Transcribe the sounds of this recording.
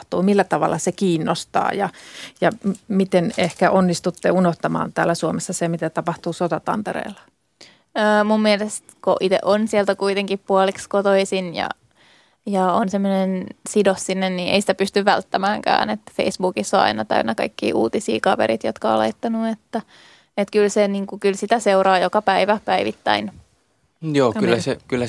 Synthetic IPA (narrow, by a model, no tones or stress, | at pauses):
t̪uːmilːæt̪ɑʋɑ̰lːɑsekiːnːost̪ɑ̰ːjɑjɑmit̪enehkæʔonːist̪ut̪ːeunoht̪ɑmɑ̰ːnt̪æːlːæsuomesːɑsemit̪æt̪ɑpɑht̪uːsot̪ɑt̪ɑ̰nt̪eɾḛːlːɑ̥ | əːmumːielest̪koʔit̪ḛʔonsielt̪ækuit̪eŋkippuolikskot̪oisinjɑ̰ | jɑonsemːonensidosːinːenniːʔḛisi̥t̪æpyst̪yʋʋæ̰lt̪ːæmæːŋkæ̰ːnet̪ːfḛisbuːkisːoɑ̰inɑt̪æ̰ynːɑkɑ̰ikːḭːʔuːt̪isḭːkɑʋḛɾit̪jo̰t̪kɑo̰lɑ̰it̪ːɑnuet̪ːæ | et̪kylseniːŋkukylsit̪æseurɑːjokɑpæiʋæpæiʋit̪ːæ̰in | joːyllːæsekylːæ